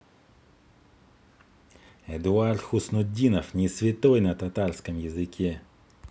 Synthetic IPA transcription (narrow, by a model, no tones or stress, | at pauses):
ɛd̪ʊart̪xʊsnʊdʲinɐfnʲisʲvʲɪt̪ɔjnɐt̪at̪arskəmjɪzɪkʲɛ